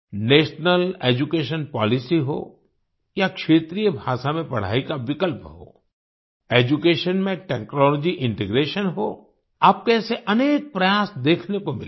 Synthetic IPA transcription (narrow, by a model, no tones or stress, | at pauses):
neːʃnəleːd͡ʒukeːʃ̬ənpɔːlɪsiɦo̰ː | jakʃeːt̪ɾijəbʱaːʃamẽpɐɽ̤a̰ːikaʋɪkəlpɦo̰ː | eːd͡ʒukeːʃənmẽʈɛːknɔːlɔd͡ʒiʔɪ̃ɳʈeɡɾeːʃənɦoː | aːp̚keseʔɐneːk̚pɾɐjaːsd̪eːkʰnekomɪl